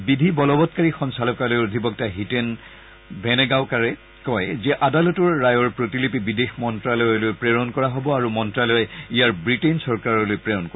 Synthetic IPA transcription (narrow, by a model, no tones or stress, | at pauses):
bidʱibɔlɔbɔtkaɹixɔnsalɔkalojodʱibɔk̚taɦiten | bʱɛnɛɡaʊkaɹɛ | kɔjzɛʔadalɔtɔɹːajɔɹpɹotilipibidexmɔntɹalɔjɔlojpɹeɹɔnkɔɹaɦobɔaɹumɔntɹalɔɛijaɹbɹitensɔɹkaɹɔlojpɹeɹɔnkɔɹ